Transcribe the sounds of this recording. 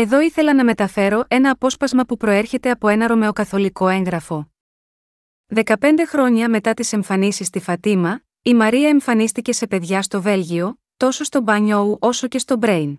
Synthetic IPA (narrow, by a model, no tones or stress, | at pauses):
e̞ðo̞iθe̞lɐnɐme̞t̪ɐfe̞ɾo̞ʔe̞nɐːpo̞spɐzmɐpupɾo̞e̞ɾçe̞t̪e̞ɐpo̞e̞nɐɾo̞me̞o̞kɐθo̞liko̞e̞ŋɣɾɐfo̞ | ðe̞kɐpe̞nd̪e̞xɾo̞ɲɐme̞t̪ɐt̪ise̞ɱfɐnisist̪ifɐt̪imɐ | imɐɾiɐeɱfɐnist̪ice̞se̞pe̞ðʝɐst̪o̞ve̞lʝio̞ | t̪o̞so̞st̪o̞bɐɲo̞uʔo̞so̞ce̞st̪o̞bɾe̞jn